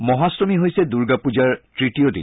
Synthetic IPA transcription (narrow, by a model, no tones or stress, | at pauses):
mɔɦasɹomiɦojsɛduɹɡapud͡ʒaɹtɹitiodḭ